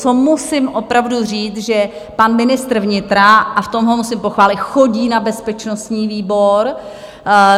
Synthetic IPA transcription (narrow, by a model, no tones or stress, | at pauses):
t͡somusɪmʔopɾavduriːt͡sʒɛ | panmɪnɪst̪r̩vɲɪt̪ɾaʔaft̪o̞mɦomusɪmpo̞xvaːlɪt̪xo̞ɟiːnabɛspɛt͡ʃno̞st̪ɲiːviːbo̞ɾ